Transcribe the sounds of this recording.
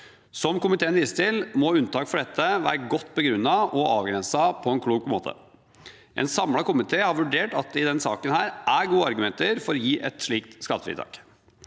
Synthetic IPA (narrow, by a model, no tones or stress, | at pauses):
sɔmkʊmɪt̪ʰeːənʋɪsət̪ɪlmɔʉnt̪ɑːkfɔɖɛt̪ʰːəʋæ̰ːɾəɡɔt̪ːbəɡɾʉnːɑʔɔɑːʋɡɾɛnsɑpʰɔɛnkʰɽuːɡmo̰ːt̪ʰə̰ | ʔɛ̰nsɑmlɑkʊmɪt̪ʰeːhɑɾʋʉɖeːʈɑt̪̚d̪ɛɪd̪ɛnsɑ̰ːkənhæːɾʔæɾɡuːəɑɾɡʉmɛnt̪əɾfɔɾɔjiːʔɛ̰t̪ʂɭiːk̚t̪skɑt̪ːəfɾḭt̪ɑ̰ːk